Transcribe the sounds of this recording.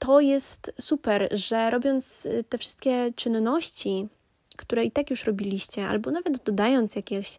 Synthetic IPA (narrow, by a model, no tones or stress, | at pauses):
t̪ɔjɛst̪supɛɾʐɛɾɔbʲjɔnt̪st̪ɛfʂɘ̥st̪̚kʲɛt͡ʂɘnːɔɕt͡ɕi | kt̪uɾɛit̪akjuʂɾɔbʲilʲiɕt͡ɕɛa̰lbɔnavɛt̪d̪ɔd̪ajɔnt̪sjakʲeɕ